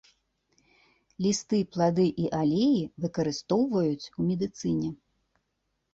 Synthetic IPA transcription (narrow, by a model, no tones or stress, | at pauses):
lʲist̪ɨplˠad̪ɨʔiʔalʲejivɨkɐɾɨst̪ɔwvɐjut͡sʲumʲɛd̪ɨt̪sɨnʲɛ